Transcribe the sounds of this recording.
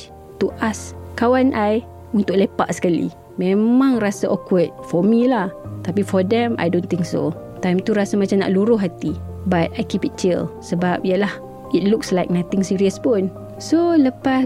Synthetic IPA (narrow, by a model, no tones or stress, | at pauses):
t̪uʔaskawanʔaj | unt̪ʊʔ̚lepa̰ʔsə̥kalḭ | mẽmãŋrasaʔɔkwət̚fɔmilaht̪apifɔdɛ̃mʔa̰jdõnt̪ɪ̃ŋkso̰ | t̪ajmt̪uɾasamat͡ʃamna̰ʔluɾʊɦat̪ibat̚ajkipit͡ʃḭlsəbap̚ijalah | it̚lukslajk̚nat̪ɪŋsiɾiəspʊn | soləpa